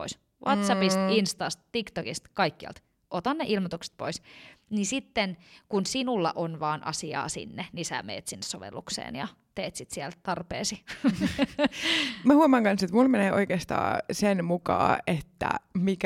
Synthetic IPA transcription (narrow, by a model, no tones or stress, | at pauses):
po̰is | ʋʔɑt̪sɑpist̪inst̪ɑst̪t̪ikt̪okist̪kɑikːiɑ̰lt̪ | ʔot̪ɑnːeʔilmot̪ukse̥t̪̚po̰isnisit̪ːenkunsinulːɑ̰ʔonʋɑːnʔɑ̰siɑ̰ːsḭnːenisæ̰mḛːt̪sinːessoʋḛlːuksḛːnjɑ̰ | t̪eːt̪sit̪siɛlt̪ɑrpḛːsi | mæhuɑmɑːŋkɑnset̪mulmeneːʔo̰ikeːst̪ɑ̰ːsenmukɑ̰ːet̪ːæ̰mik